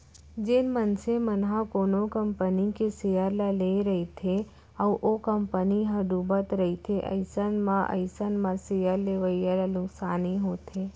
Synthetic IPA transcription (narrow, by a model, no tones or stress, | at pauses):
d͡ʒenmənsemənɦãkoːnokəmpənikesejəɾlaleɾəit̪ʰe | əʋʔokəmpəniɦədubət̪ɾəɦit̪ʰeʔə̰ɪsənmãʔə̰ɪsənmãsejəɾleʋəijəlalʊksaːniɦoːt̪ʰeː